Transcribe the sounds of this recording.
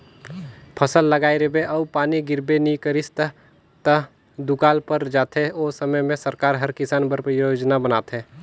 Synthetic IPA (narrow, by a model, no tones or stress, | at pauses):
pʰəsəlːəɡaːeɾebeʔɐupaːniɡɪɾbenikəɾɪst̪ | t̪ə | d̪ʊkaːlpəɾd͡ʒaːt̪eoːsəməmẽsəɾkaːɾɦəɾkɪsaːnbəɾpjod͡ʒnabəna̰ːt̪ɦɛ̃ː